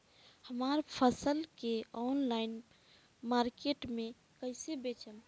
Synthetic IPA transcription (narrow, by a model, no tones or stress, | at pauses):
həmaːɾpʰəsəlkeɔːnlaɪn | maːɾkeʈmẽ | kəɪsebet͡ʃəm